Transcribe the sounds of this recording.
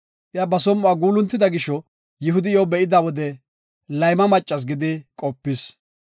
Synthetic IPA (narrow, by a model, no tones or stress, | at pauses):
ʔɪjabɐsɔmːʊaːɡuːlʊnt̪ːɪd̪ɐɡɪʃɔ | jɪɦʊd̪ɪjɔwbɛʔɪd̪awɔd̪ɛ | lɐjmɐmɐt͡ʃʼːɐs̬ɡɪd̪ɪkʼɔpːɪs